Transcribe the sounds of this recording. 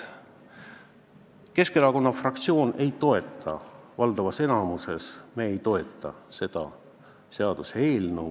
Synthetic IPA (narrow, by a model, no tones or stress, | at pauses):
ke̞skeɾɑko̞nːɑfrɑk̚t̪sio̞ːne̞jt̪o̞e̞t̪ʰˑːɑ̰vɑld̪ɑvɑse̞nɑmuse̞smeejt̪o̞e̞t̪ːˑɑse̞d̪̥ɑ̰ | se̞ɑd̪̥use̞ːlnu